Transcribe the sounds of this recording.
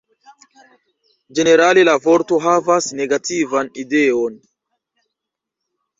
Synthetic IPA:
d͡ʒe̞ne̞ɾalelavo̞ɾto̞ɦavasne̞ɡatʰivanideon

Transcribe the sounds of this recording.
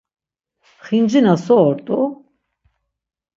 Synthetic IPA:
χind͡ʒinasɔɔɾt̪ʼu

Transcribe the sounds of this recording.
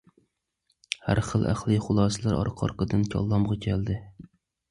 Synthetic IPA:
hæ̰ɾχəlˠʔæ̰χlˠɨχʊlˠɑːsɨlˠæɾɑ̰ɾqʰɑ̰ɾqəd̪ɨnt͡ʃʲʰɑ̰lˠːɑmʁɑkʲʰɛld̪ɪ

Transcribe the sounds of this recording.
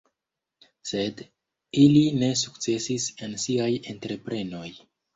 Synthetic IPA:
se̞d | iline̞s̬uk̚t͡se̞sise̞nsiaje̞ntɾe̞pɾe̞no̞j

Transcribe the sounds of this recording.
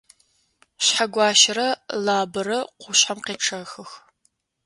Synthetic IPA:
ɕħaɡʷɑːʃɪɾɐlaːbɐɾɐqʷʊɕħamqeːʈ͡ʂʰɐxɨx

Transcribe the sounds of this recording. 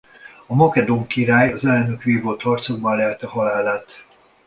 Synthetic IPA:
ɒmɒkɛd̪oŋkiɾaːjɒzɛlnøkʋeːvolt̪hɒrt̪so̞ɡ̚bɒnlɛlt̪ɛɦɒlaːlaːt̪

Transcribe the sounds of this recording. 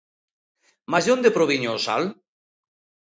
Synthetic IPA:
mazond̪epɾoβiɲoːsa̰l

